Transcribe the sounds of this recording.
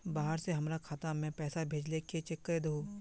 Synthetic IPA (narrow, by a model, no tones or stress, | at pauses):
baːɦəɾseɦɐmɾakʰaːt̪amɛ̃ːpɛːsabʱeːd͡ʒleket͡ʃekːəɾed̪ɐɦũː